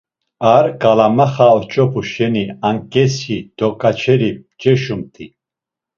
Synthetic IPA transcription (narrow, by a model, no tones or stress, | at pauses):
aɾkʼalamaχaɔt͡ʃʼɔpʰuʃɛniaŋkʼɛsid̪̥ɔkʼat͡ʃʰɛɾit͡ʃʼɛʃumt̪ʰi